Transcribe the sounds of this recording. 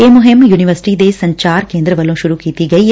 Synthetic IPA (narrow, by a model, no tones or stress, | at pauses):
eːmoɦemjuːniʋɐɾsi̥ʈiːd̪eːsɐɲt͡ʃaːɾkeːnd̪ɾɐʋɐlõːʃuɾukiːt̪iɡɐj